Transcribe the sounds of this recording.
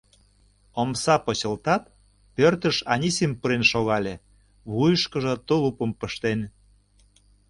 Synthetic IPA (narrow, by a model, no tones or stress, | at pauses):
omsɑpŏt͡ɕə̆lt̪ɑt̪̚ | pørt̪əʃɑnʲisimpəɾenʃoɣɑlʲe | βujəʃkə̆ʒɤ̆t̪olupə̆mpə̆ʃt̪en